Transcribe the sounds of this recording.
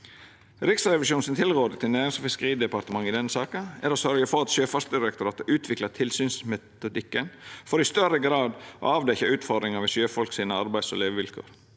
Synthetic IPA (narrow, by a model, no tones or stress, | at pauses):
ɾɪksɾɛʋɪʃuːnsɪnt̪ʰɪlɾoːd̪ət̪ʰɪnæːɾɪŋsfɪskəɾiːd̪ɛpɑɾt̪əmɑŋːɪd̪ɛnːəsɑːkənæɾoːsœɾɡəfɔɾɑt̪ʃøːfɑst̪̚d̪ɪɾɛkt̪ʊɾɑːt̪əʔʉːt̪ʰʋɪklɑt̪ʰɪlsyːnsmɛt̪ʊd̪ɪkːənfɔɾɪst̪œɾəɡɾɑːd̪o̰ɑːʋd̪ɛçɑʉːt̪fɔɾd̪ɾɪŋɑmɛʃøːfɔlksiːnəɑɾbæɪsɔ̰leːʋəʋɪlkʰo̰ːɾ